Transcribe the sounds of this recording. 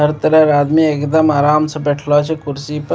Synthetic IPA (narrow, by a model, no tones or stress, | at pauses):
əɾt̪əɾəɾad̪miekd̪əmaɾamsə̃bɛʈʰlɔt͡ʃʰɛkuɾsipə